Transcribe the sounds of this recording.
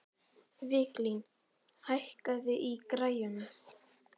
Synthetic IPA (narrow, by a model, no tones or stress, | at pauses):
vɪklin | hajhkaðɪʔikɾaːjʏna